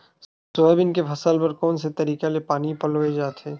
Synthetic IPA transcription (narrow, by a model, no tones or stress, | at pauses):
sʊɛbɪnkefʰɐsəlpɐɾkɔːnset̪ɐɾiːkalepaːnipɐloed͡ʒaːt̪ʰeː